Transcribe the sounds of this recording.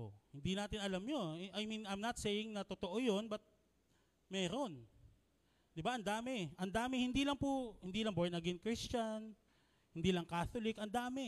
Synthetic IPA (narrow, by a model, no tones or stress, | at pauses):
o̰hɪnd̪inaːt̪ɪnʔɐlamɲonajminajmnɐt̪seːjɪŋnɐt̪ot̪oʔojonbɐt̪̚ | mɛːɾo̞n | d̪ɪbaʔɐnd̪aːmɛʔɐnd̪aːmɪhɪnd̪iːlɐŋpʊhɪnd̪iːlɐŋboɹnɐɡɛnkɹist͡ʃan | hɪnd̪iːlɐŋkaːθolɪkʔɐnd̪aːmɛ